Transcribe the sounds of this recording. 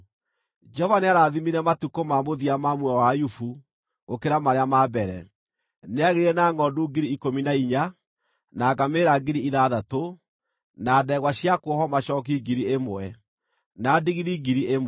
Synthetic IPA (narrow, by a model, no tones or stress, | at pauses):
d͡ʒɔvaneaɾaðimiɾɛmatukomamoðiamamwɛwajufu | ɣokeɾamaɾeamaːbɛɾɛ̰ | neaɣeɾɛnaŋɔduɡiɾiikominaiɲa | naːɡameːɾaɡiɾiiðaðato | naːdɛɣwaɕiakwɔɦɔmaɕɔːk̬iɡiɾiemoɛ | nadiɣiɾiɡiɾiʔem